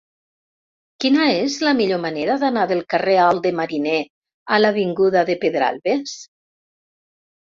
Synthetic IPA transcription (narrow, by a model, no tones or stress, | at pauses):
kinaezlamiʎomaneɾaðanaðelˠkarealˠd̪emaɾine | alaβ̞iŋɡuðaðepeðɾa̰lˠβes